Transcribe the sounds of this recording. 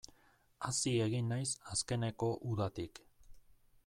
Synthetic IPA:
asie̞ɣinːajsaske̞ne̞ko̞ʔuðat̪ik

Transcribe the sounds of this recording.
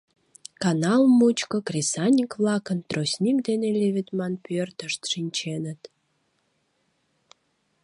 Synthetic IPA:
kɑnɑlˠmut͡ɕkəkrʲisɑnʲikβlɑkənt̪rosʲnʲikd̪enelʲeβʲit̪mɑnpørt̪əʃt̪ʃinʲt͡ɕenət̪

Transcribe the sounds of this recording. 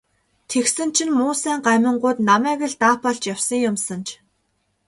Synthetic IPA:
t̪ʰeksɘ̆n̥t͡ɕʰɪ̆nmʊːsæːɴɢæːmʲə̆ɴɢʊːt̪namæːɣɘ̆ɮt̪aːpɔɮt͡ɕjawsə̆ŋjʊmsə̆nt͡ɕʰ

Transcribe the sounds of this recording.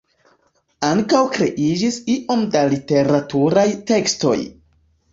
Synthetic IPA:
aŋkawkɾe̞̰ʔid͡ʒisiʔo̞mdalite̞ɾatuɾajte̞ksto̞̰j

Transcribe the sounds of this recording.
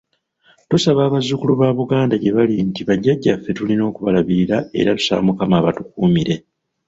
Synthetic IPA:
tusaβaːβazukuluβaːβuɡaːndaɟe̞βalintiβaɟːaɟːafːe̞tulino̞ːkuβalaβiɾiɾae̞̰ɾatu̥sa̰mukamaːβatukuːmiɾe̞

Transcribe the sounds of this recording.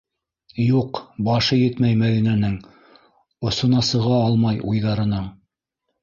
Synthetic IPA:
juqbɑʃɤjɘt̪mæjmæðinænɘŋ | ŏsŏnɑsɤ̆ʁɑɑlˠmɑjujðɑɾɤ̆nɤɴ

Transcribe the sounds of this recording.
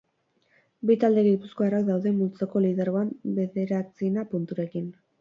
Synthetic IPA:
bit̪ald̪e̞ɣipuskoarak̚d̪awðe̞mult͡soko̞liðaɾoambe̞ðe̞ɾat͡sinapunt̪uɾe̞kin

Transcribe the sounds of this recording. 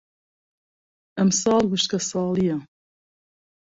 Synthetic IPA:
ʔɐmsɑːlɡuʃt̪kɐsɑːlijɐ

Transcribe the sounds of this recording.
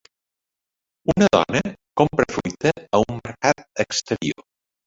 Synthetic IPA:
unəðɔ̰nəkompɾəfɾujt̪əːumːəɾkat̪̚əkst̪əɾio

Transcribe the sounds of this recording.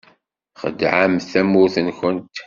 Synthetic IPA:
χə̰d̪ʕamθæmʊθənçənt̪

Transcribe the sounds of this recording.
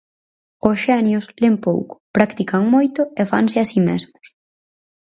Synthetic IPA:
ʊsʃɛnjʊslempo̰wkʊ̥pɾakt̪ikaŋmojt̪ʊefa̰ŋsɪasimḛzmʊ̥s

